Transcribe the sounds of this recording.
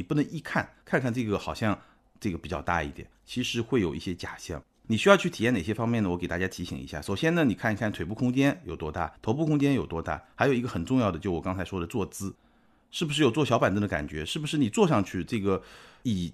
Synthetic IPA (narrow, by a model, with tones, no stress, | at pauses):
i˨˩pu˥˩nə˧˥ŋi˥˧kʰa˥˩nkʰa˥˧nkʰa˥˧nʈ͡ʂɤ˥˩ɡə˩xɑ˨˩ʊɕjɑ˥˧ŋ | ʈ͡ʂɤ˥˩ɡə˩pi˨˩t͡ɕjɑ˥˧t̪a̰˥˧i˥˩t̪jɛ̰˨˩nt͡ɕʰi˧˥ʂɻ̩˧˥xwe˥˩ɪjo˨˩ʊʔi˥˩ɕjɛ˥t͡ɕja˨˩ɕjɑ̰˥˩ŋ | ni˨˩ɕy˥jɑ˥˧ʊt͡ɕʰy˥˩˨jɛ˥˩ne˨˩ɕjɛ˥fɑ˥ŋmjɛ˥˩nə˩wɔ˧˥ke˨˩ɪt̪a˥˩t͡ɕa˥t̪ʰi˧˥ɕḭ˨˩ŋḭ˧˥ɕja̰˥˩ʂo˨˩ʊɕjɛ˥nə˨ni˨˩kʰa˥˩ni˥kʰa˥˩nt̪we˨˩p̬u˥˩kʰʊ˥ŋt͡ɕjɛ˥njo˨˩ʊt̪wɔ˥t̪a̰˥˩t̪ʰo˧˥ʊp̬u˥˩kʰʊ˥ŋt͡ɕjɛ˥njo˨˩ʊt̪wɔ˥t̪a̰˥˩xa˧˥ɪo˨˩ʊi˧˥ɡə˧xə˨˩nʈ͡ʂʊ˥˧ŋjɑ˥˩ʊd̪ə˩t͡ɕjo˥˩ʊwɔ˨˩kɑ˥ŋt͡sʰa˧˥ɪʂwɔ˥d̪ə˨t͡swɔ˥˩t͡sɹ̩˥ | ʂɻ̩˥˩bu˩ʂ̬ɻ̩˥˩jo˩t͡swɔ˥˩ɕjɑ˥pa˨˩nt͡s̪ə˥d̪ə˧ka̰˨˩nt͡ɕɥɛ̰˧˥ʂɻ̩˥˩bu˩ʂɻ̩˥˩ni˨˩t͡swɔ˥˧ʂɑ˥˧ŋt͡ɕʰy˥˧ʈ͡ʂɤ˥˩ɡə˩i˨˩